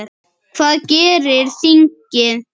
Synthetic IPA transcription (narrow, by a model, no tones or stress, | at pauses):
fɐkeɾeɾsiŋke